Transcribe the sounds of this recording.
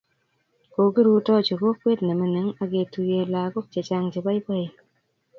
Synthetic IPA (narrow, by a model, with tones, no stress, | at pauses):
ko˨ki˦ɾu˦tɔ˦t͡ʃo˨ko˦kːwe˦tne˨mi˨ne˨˦ŋa˨ke˨tu˧je˧˨laː˨ko˦k̚t͡ʃe˨t͡ʃa˦ŋt͡ʃe˨ba˦jpa˦˨j